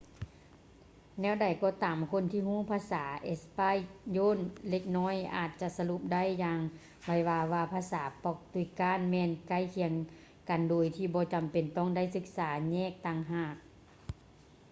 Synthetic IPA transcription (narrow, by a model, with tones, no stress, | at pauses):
nɛː˧˥˨wda˨˩jkɔː˧˦t̪aː˨˦mkʰo˧˥˨nt̪ʰiː˧huː˧˥˨pʰaː˧˥saː˨˦ʔe˧˥spa˧˥˨jjoː˧˥˨nle˧k̚nɔː˧˥˨jʔa̰ː˨˩t̪̚t͡ɕa˧˨sa˧lu˧˦p̚da˥˨jːaː˧ŋ | ʋa˧˩jwaː˧ʋaː˧pʰaː˧˥saː˨˦pɔ˧˩k̚t̪u˧˨kaː˧˥˨nmɛː˧˨nka˧˥˨jkʰi˧ə˧ŋ | ka˨ndoː˨jt̪ʰiː˧˩bɔː˧˦t͡ɕa˨˩mpe˨˩nt̪ɔ˧˥˨ŋda˧˥˨jsɯ˧˦k̚saː˨˩˦ɲɛː˧˥˨k̚t̪aː˧˨ŋɦaː˧˩k̚